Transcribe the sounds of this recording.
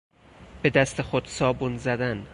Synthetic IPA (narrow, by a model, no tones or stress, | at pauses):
b̥e̞d̪æst̪ʰexod̪sɒːbunzæd̪æn